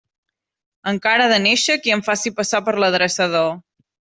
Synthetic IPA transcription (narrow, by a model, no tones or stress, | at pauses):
əŋkaɾəðəneʃəkiəɱfasipəsapəɾləðɾəsəð̞o